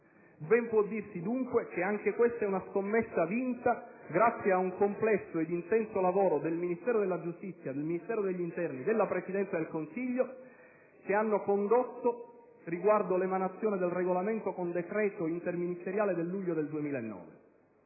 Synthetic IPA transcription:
bɛmpwɔd̪ːirsid̪uŋkwek̟eaŋk̟ekwest̪aɛunaskomːesːavint̪a | ɡɾat̪sːjeauŋkomplɛsːoed̪int̪ɛnsolavoːɾod̪elminist̪ɛːɾod̪elːad͡ʒust̪it̪sːjad̪elminist̪ɛːɾod̪eʎːint̪ɛrnid̪elːapɾesid̪ɛnt̪sad̪elkonsiʎːo | keanːokond̪ot̪ːo | riɡward̪olemanat̪sːjoːned̪elreɡolament̪okond̪ekɾɛːt̪oint̪erminist̪eɾjaːled̪elːuʎːod̪eld̪uemiːlaenːɔ̰ːve

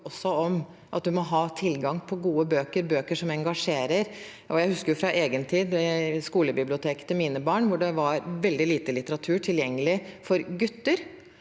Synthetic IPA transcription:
ɔsːɔɔm | ʔɑt̪̚d̪ʉmɔɦɑːt̪ʰɪlɡɑŋpʰɔɡuːəbøːkəɾbøːkəʂɔmɛŋɡɑʂeːɾəɾ | ʔɔjæɪhʉskəɾjʊfɾɑʔeːɡənt̪ʰiːd̪mɛskuːləbɪblɪʊt̪ʰeːkt̪ʰɪlmiːnəbɑːɳʋʊɖɛʋɑɾʋɛld̪ɪliːt̪əlɪt̪əɾɑt̪ʰʉːʈʰɪljɛŋːəlɪfɔɾɡʉt̪ːəɾ

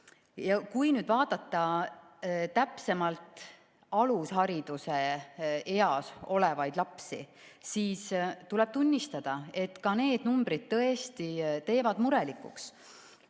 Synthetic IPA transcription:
jɑkujnyːd̪̥vɑːd̪̥ɑt̪ˑːɑ | t̪æpse̞mɑlt̪ˑ | ɑlusɦɑɾid̪̥use̞eɑso̞le̞vɑjd̪̥lɑpsi | siːst̪ulɛb̥̚t̪unʲːist̪ɑd̪̥ɑe̞t̪kɑne̞ːd̪̥numbɾid̪̥̚t̪ɤe̞st̪it̪e̞ːvɑd̪muɾelikˑṵks

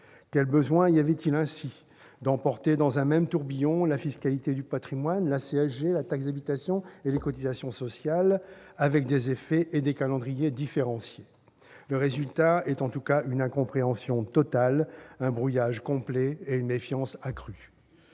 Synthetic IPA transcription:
kʲɛlbəzwɛ̃iavɛt̪ilɛ̃si | d̪ɑ̃pɔʁt̪ed̪ɑ̃zɛ̃mɛmt̪uʁbijɔ̃lafiskalit̪ed̪ypat̪χimwanlaseɛʃdelat̪aksd̪abit̪asjɔ̃elekɔt̪izasjɔ̃sɔsjal | avɛk̚d̪ezefɛʔed̪ekalɑ̃d̪ʁijed̪ifeʁɑ̃sje | ləʁezylt̪aɛt̪ɑ̃t̪ukaynɛ̃kɔ̃pχeɑ̃sjɔ̃t̪ɔt̪alɛ̃bʁujaʒkɔ̃plɛeynmefjɑ̃sakχy

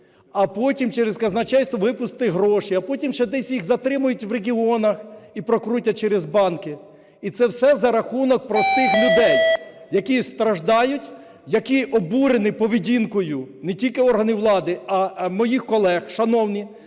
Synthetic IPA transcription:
ɐpɔtʲimt͡ʃɛɾezkɐznɐt͡ʃɛjʲst̪ʋɔʋɪpʊst̪ɪɦɾɔʃiɐpɔtʲimʃɛd̪ɛsʲjiɣzɐt̪ɾɪmʊjʊtʲʋɾeɦʲiɔnɐxipɾɔkɾutʲːɐt͡ʃɛɾezbɑnkɪ | it̪sɛwsɛzɐɾɐxunɔk̚pɾɔst̪ɪxlʲʊd̪ɛj | jɐkʲist̪ɾɐʒd̪ɑjʊtʲ | jɐkʲiʔɔbuɾenɪpɔʋʲidʲinkɔjʊnetʲilʲkɪɔrɦɐnɪʋlˠɑd̪ɪɐmɔjixkɔlˠɛxʃɐnɔwnʲi

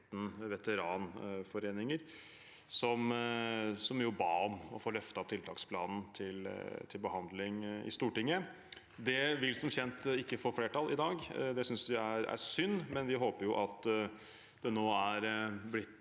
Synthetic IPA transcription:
t̪nʋɛt̪əɾɑːnfɔɾeːnɪŋəɾ | sɔm | sɔmjʊbɑ̰ːɔmɔfoːɾlœft̪ɑɑp̚t̪ɪlt̪ʰɑːkspʰlɑːnn̩t̪ʰɪlt̪ʰɪlbəhɑnd̪lɪŋɪ̰st̪uːʈɪŋːə | d̪ɛʋɪlsɔmçɛnt̪ɪkːəfɔɾfleːʈɑlːʔɪd̪ɑːɡd̪ɛsʏnsd̪ɪæɾæ̰sʏnːmɛnʋɪɦoːpəɾjʊʔɑt̪ | d̪̥ɛnoːæɾblɪt̪ː

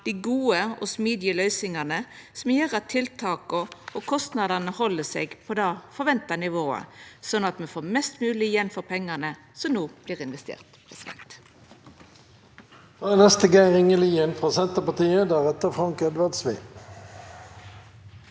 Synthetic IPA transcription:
d̪̥iːɡuːəɔ̰smiːd̪ɪəlœʏsɪŋɑnə | sɔmjeːʁɑt̪ʰɪlt̪ʰɑːkɔokʰɔst̪nɑd̪ɑnəhɔlːəsḛːɡpʰoːd̪ɑfɔɾʋɛnt̪ɑnɪʋoːə̰sɔnːɑt̪mɛfoːɾmɛst̪mʉːlɪjɛnføːɾpʰɛŋːɑnə | sɔmnoːb̥liːʁɪnʋɛst̪ḛːʁt̪pʰɛsɪd̪ɛ̰nt̪ | oɛnɛst̪əɡeɪʁɪŋəliːənfʁoːsɛnt̪əpɑt̪iːəd̪æːʁɛt̪əfʁɑŋkɛd̪ʋæʁd̪sʋeː

